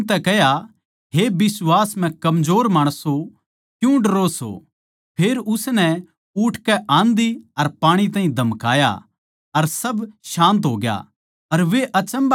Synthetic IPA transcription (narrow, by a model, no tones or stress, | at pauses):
t̪ɛkɛɦja | ɦebɪswaːsm̤ɛ̃kɐmd͡ʒoːɾmaːɽ̃əso | kjũɖɐɾoso̰ | pʰeːɾʊsnɛ | ʊːʈʰkɛʔãːnd̪iɐɾpaːɽ̃it̪̬ãːɦĩd̪ʱɐmka̰ːja̰ | ɐɾsɐbʃãːnt̪̬ɦoːɡja̰ | ɐɾʋeʔɐt͡ʃə̃mb